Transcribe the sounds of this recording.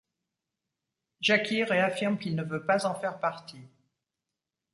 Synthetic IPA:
ʒakʲiʁeafiʁmkʲilnəvøpazɑ̃fɛʁpaʁt̪i

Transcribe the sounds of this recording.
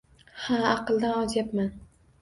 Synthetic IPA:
haɑqɨlˠd̪anɒzjapman

